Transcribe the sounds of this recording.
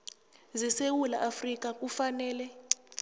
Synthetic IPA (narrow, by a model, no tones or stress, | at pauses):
zɛsewulaʔafrik̬ʼak̬ʼufanɛːlɛ